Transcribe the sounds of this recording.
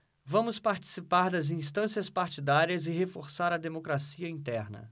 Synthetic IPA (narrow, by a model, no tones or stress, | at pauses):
vɐ̃mʊspaɾt͡ʃi̥sipaɾd̪ɐzĩst̪ɐ̃siɐspaɾt͡ʃid̪aɾiɐzɪɦefoɾsaɾɐd̪emokɾasiɐĩnt̪ɛɾnɐ̰